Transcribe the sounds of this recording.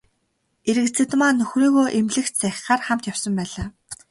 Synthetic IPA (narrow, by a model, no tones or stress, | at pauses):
eɾɘ̆kt͡sʰɘ̆t̪maːnɵxriːɣoːʔemɮɘ̆xt͡ɕt͡sʰæx̆ʲχaːrχam̥t̪jawsɞ̆mpæːɮaː